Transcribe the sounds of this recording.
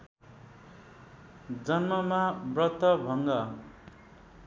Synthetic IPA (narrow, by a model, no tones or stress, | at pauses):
d͡zʌnmʌmabrʌt̪ːʌbʱʌŋɡʌ